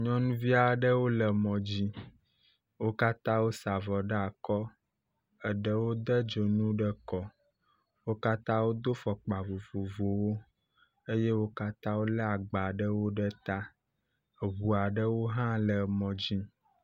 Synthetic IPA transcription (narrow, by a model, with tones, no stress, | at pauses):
ɲɔ̃˦nũ˦vi˦a˨ɖə˦wo˦lə˨mɔ̃˨d͡ʑi˦ | wo˦ka˦t̪ã˦wo˦sa˨vɔ˨ɖə˦a˨kɔ˦ | ə˨ɖə˦wo˦d̪ə˦d͡ʒo˨nũ˦ɖə˦kɔ˦ | wo˦ka˦t̪ã˦wo˦d̪o˦fɔ˨k͡pa˨vo˨vo˨vo˨wo˦ | e˦je˦wo˦ka˦t̪ã˦wo˦lə˦a˨ɡ͡ba˨ɖə˦wo˦ɖə˦t̪a˦˨ | βu˨a˨ɖə˦wo˦ɦã˦lə˨mɔ̃˨d͡ʑi˦